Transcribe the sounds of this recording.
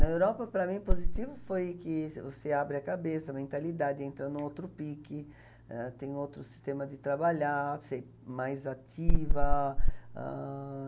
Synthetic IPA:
ɐewɾɔpɐpɾɐmĩpozit̪ivʊfojkɪvoseabɾɪɐkabesɐmẽnt̪alid̪ad̪ɪẽnt̪ɾɐnũowt̪ɾʊpikɪ | ɛt̪ẽj̃owt̪ɾʊsi̥st̪ẽmɐd̪ɪt̪ɾabaʎase | majzat̪ivɐ | ɛ̰

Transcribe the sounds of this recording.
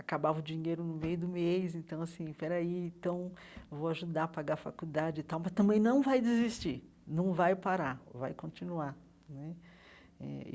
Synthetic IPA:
akabavɐd͡ʒiɲejɾʊnʊmejʊd̪ʊmejsẽnt̪ɐ̃w̃asĩpɛɾaiẽt̪ɐ̃w̃ | voaʒud̪aɐpaɡaɾfakud̪ad͡ʒɪɪt̪awmɐst̪ɐ̃mbẽj̃nɐ̃w̃vajd͡ʒɪzist͡ʃi | nɐ̃w̃vajpaɾava̰jkõnt͡ʃinua | nɛ | ɛ̰ɪ̰

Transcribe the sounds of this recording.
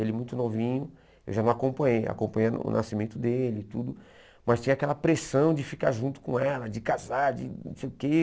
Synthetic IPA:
elɪmũj̃t̪ʊnovĩɲʊ | ewʒanɐ̃w̃akõmpɐ̃ɲeja̰kõpɐ̃ɲejʊ̰nʔasimẽnt̪ʊd̪elɪt̪ud̪ʊ | mɐst̪ĩɲ̃ɐakɛlɐpɾesɐ̃w̃d͡ʒɪfika̰ɾʒũnt̪ʊ̥kõɛlɐd͡ʒɪkazaɾd͡ʒɪnõ̰sejʊke

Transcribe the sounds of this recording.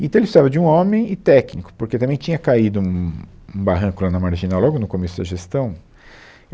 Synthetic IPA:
ɪ̃t̪ɐ̃w̃elɪsizavɐd͡ʒɪũõmẽj̃ɪt̪ɛknikʊ̥poɾket̪ɐ̃mẽj̃t͡ʃĩɲɐkaid̪ʊũũbaɦɐ̃kʊlãnɐmaɾʒinawlɔɡʊnʊkomesʊd̪ɐʒest̪ɐ̃w̃

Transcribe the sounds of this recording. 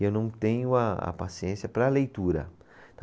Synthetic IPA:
ewnɐ̃w̃t̪ẽɲʊaa̰pasiẽsjɐpɾɐlejt̪uɾɐ̰ | t̪ɐ̃

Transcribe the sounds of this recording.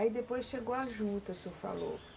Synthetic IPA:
id̪epojsʃeɡowaʒũt̪ɐsofa̰lo̰

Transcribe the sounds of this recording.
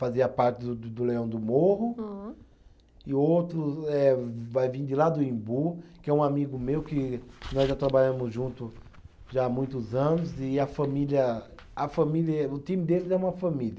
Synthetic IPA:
faziɐpaɾt͡ʃ̪ɪd̪ʊd̪ʊleɐ̃w̃d̪ʊmoɦʊ̃ | ɪowt̪ɾʊɛvajvĩd̪ɪlad̪ʊĩbukɪɛũamiɡʊmewkɪnɔzʒat̪ɾabaʎɐ̃mʊzʒũnt̪ʊ | ʒamũj̃t̪ʊzɐ̃nʊzɪɐfɐ̃miliɐ | ɐfɐ̃miliɐɛʊt̪ĩmɪd̪elɪzɛũmɐfɐ̃miljɐ

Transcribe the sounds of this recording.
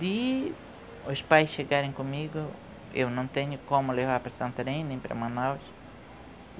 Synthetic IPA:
d̪i | ʊspajsʃeɡaɾẽj̃kõmiɡʊ | ḛwnɐ̃w̃t̪ẽɲʊkõmʊlevaɾpɾɐsɐ̃nt̪ɐɾẽj̃nẽj̃pɾɐ̰mɐ̃naws

